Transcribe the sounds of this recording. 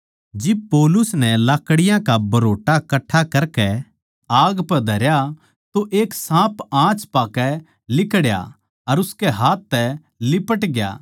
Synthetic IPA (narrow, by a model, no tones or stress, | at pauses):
d͡ʒɪb̚pɔːlʊsnɛlaːkɽɪjãkabɐɾoːʈakɐʈʰːakɐɾkɛ | aːɡpɛd̪ʱɐɾja | t̪oʔeːksãːpãːt͡ʃpaːkɛ | lɪkɽja̰ | ɐɾʊskɛɦaːt̪ːɛ | lɪpəʈɡja̰ː